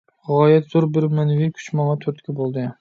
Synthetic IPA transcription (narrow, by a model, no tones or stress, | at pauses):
ʁɑjɛt̪z̥oɾbɪɾmænvɪkʲʰy̥t͡ʃmɒŋɑt̪ʰɵɾt̪kʲʰɛbolˠd̪ɪ